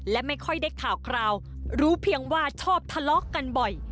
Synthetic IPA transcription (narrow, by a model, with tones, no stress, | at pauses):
lɛ˦˥ma˥˩jkʰɔ˥˩jda˥˩jkʰaː˨˩wkʰɾaː˧w | ɾuː˦˥pʰi˦˥əŋwaː˥˩t͡ɕʰɔː˥˩p̚t̪ʰa˧lɔ˦˥kːa˧nbɔ˨˩j